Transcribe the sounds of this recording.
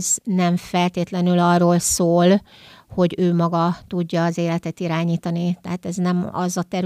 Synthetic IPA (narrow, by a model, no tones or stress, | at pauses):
znɛɱfɛlt̪eːt̪lɛnylɒrːoːlsoːl | ho̞ɟøːmɒɡɒt̪uɟːɒːzeːlɛt̪ɛt̪iɾaːɲiːt̪ɒnit̪ɛɦaːt̪ɛznɛmɒ̰zɒt̪ɛɾ